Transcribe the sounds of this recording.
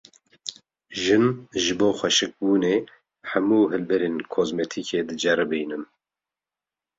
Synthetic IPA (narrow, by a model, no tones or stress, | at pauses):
ʒɨnʒɨboːxʷɛʃɨk̚buːneː | ħæmuːɦɨlbɛɾeːnkʰoːzmɛt̪ʰikʰeːd̪ɨd͡ʒɛɾɨbɨjnɨm